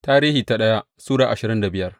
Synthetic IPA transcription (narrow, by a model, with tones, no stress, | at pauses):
taː˦ɾiː˦hiː˨ta˨ɗɐ˦ja˦ | suː˦ɽaː˨ʔa˨ʃɪ˨ɾɪ˦nda˨bɪ˦jɐ˦r